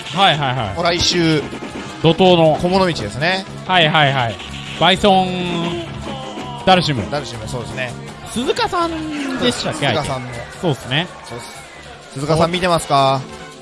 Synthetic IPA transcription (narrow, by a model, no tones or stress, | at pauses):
haiɦaiɦa̰ioɾaiɕɨː | d̪o̞t̪o̞ːno̞komonomʲit͡ɕid̪esɨne̞ | haiɦaiɦai | baisõɴ | d̪aɾɯ̟ɕ̬imɯ̟d̪aɾɯɕimɯsoːd̪esɨne | sɨzɨkasãnd̪e̞sɨ̥t̪akːea̰ãnoso̞ːesɨne̞ | so | sɨzɨkaãmʲːit̪e̞masɨ̥ka